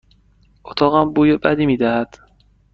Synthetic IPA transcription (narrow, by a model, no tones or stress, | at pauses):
ʔot̪ʰɒːɣæmbuːjebæ̰d̪iːmiːd̪æhæd̪̥